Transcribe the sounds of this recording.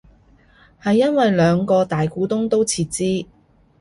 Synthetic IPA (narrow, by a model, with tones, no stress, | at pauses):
hɐ˨jːɐ˥nwɐ˨jlœː˨˧ŋkɔː˧t̪aː˨jkuː˨˥t̪ʊ˥ŋt̪o˥wt͡sʰiː˧t̚t͡siː˥